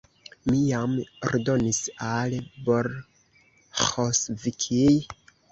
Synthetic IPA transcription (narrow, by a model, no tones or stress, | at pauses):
mijamoɾdo̞nisalboɾ | xosvikʰij